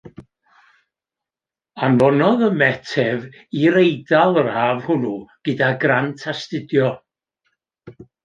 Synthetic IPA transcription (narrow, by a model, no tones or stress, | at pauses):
anvɔnɔðəmɛtʰɛv | iɾejdalˠərhaːvhʊnuɡ̥ɪdaɡrantʰastɪdjɔ